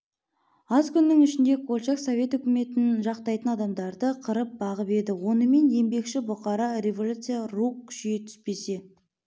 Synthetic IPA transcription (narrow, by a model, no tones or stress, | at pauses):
ɑzkʲʰʏnːɪŋʏʃɪnd̪e̞kʰolʲˠʃɑksovʲe̞t̪ʏkʲɪme̞t̪ɪnʒɑqt̪ɑjt̪ənɑd̪ɑmd̪ɑɾd̪əqʰəɾəp̚bɑʁəpe̞d̪ɪwo̞nəme̞nje̞mbe̞kʃɪbʊqɑɾɑɾʲe̞vo̞lʲut̪sɨjarukkʲʰːʏ̥ʃɡet̪ʰʏ̥spe̞se̞